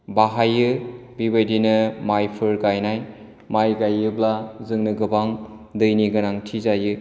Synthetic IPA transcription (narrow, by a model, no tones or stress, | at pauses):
baɦajɯbibɯjdinɯmajpʰɯɾɡajnaj | majɡajːɯblazɯŋnɯɡɯbaŋ | dɯjniɡɯnaŋtʰizajɯ